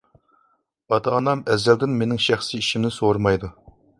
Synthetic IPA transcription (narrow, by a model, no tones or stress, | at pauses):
ɑt̪ʰɑːnɑmɛzːɛld̪ɪnmenɪŋʃæχsiiʃimnɪsoɾmɑjd̪u